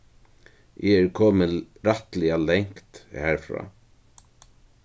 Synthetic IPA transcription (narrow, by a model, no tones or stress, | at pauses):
ʔɛɛɹkʰɔːmɪɾaht̪lɪalɛŋ̥kt̪hæːɹfɾa̰ː